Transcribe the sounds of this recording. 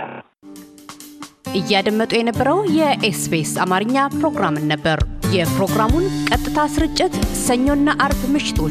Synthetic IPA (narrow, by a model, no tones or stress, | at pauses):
ʔɨjːad̪əmːət̪ʼujɛnəbːəɾəwjɛʔesbesamaɾɨɲːapɾo̞ɡɾamɨnːəbːəɾjɛpɾo̞ɡɾamunkʼət̪ʼːɨt̪ʰasɨɾɨt͡ʃʼːɪt̪səɲːo̞nːaʔaɾbmɨʃɪ̥t̪ʰo̞